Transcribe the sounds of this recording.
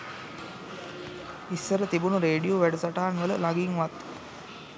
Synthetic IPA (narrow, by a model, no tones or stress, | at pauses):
isːəɾət̪ibunuɾeːɖijoʋæɖusaʈaɦanʋələlaɡiːŋʋat̪